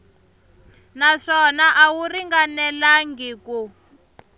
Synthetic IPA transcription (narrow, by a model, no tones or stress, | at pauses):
naʂɔnaʔawuriŋɡanɛlaŋɡiːku